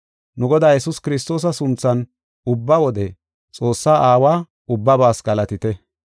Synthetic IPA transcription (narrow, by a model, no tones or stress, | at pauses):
nʊɡɔd̪aːjɛsʊskɪɾɪs̬t̪o̞ːs̬ɐsʊnt͡sːɐn | ʊbːɐwɔd̪ɛ | t͡sʼo̞ːsːaːʔaːwaː | ʊbːɐbaːsɡɐlɐt̪ɪt̪ɛ